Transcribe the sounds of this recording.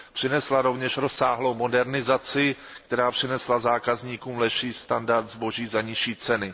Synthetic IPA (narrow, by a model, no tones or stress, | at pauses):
pr̝̥ɪnɛslaɾo̞vɲɛʃɾo̞saːɦlo̞wmo̞dɛɾnɪzat͡sɪ | kt̪ɛɾaːpr̝̥ɪnɛslazaːkazɲiːkuːmlɛʃiːst̪andaɾt̪zbo̞ʒiːzaɲɪʃiːt͡sɛnɪ